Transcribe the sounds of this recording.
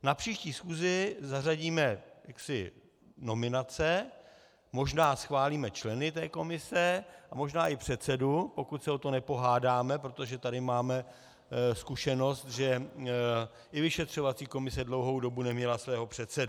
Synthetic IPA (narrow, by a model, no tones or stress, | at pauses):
napr̥iːʃciːsxuːzɪzaraɟiːmɛjaksɪ | no̞mɪnat͡sɛ | mo̞ʒnaːsxvaːliːmɛt͡ʃlɛnɪt̪ɛːko̞mɪsɛʔamo̞ʒnaːʔɪpr̝̥ɛt̪sɛdupo̞kut̪sɛo̞t̪o̞nɛpo̞ɦaːdaːmɛpɾot̪oʒɛt̪adɪmaːmɛ | skuʃɛno̞st̪ʒɛ | ʔɪvɪʃɛt̪r̝̥o̞vat͡siːko̞mɪsɛdlo̞wɦowdo̞bunɛmɲɛlasvɛːɦo̞pr̝̥ɛt̪sɛdu